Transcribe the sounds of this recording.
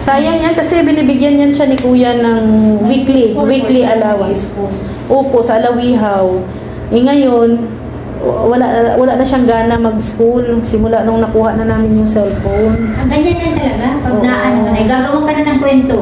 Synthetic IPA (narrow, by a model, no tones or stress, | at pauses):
saːjɐŋjankɐsɛbɪnibɪɡjanɲanʃanɪkuːjɐnɐŋwikliwikliʔɐlaːwɐs | ʔoːpo̞ʔsɐʔːlɐwiːɦaw | ʔɛŋɐjon | wɐlaʔwɐlaʔnɐʃaŋɡaːnɐmɐɡ̚skulsɪmʊlaʔnoŋnɐkuːhaʔnɐnaːmɪnjʊŋsɛlfownɐɡɐɲanɲɐnt̪ɐlɐɡapɐonaʔɐnoɐjɡaːɡɐwaŋkɐnanɐŋkwɛnt̪o